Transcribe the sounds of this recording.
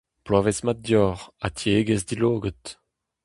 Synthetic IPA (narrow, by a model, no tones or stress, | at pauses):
plaːvesmat̚djɔːʁatʰjeɡəzdiloːɡət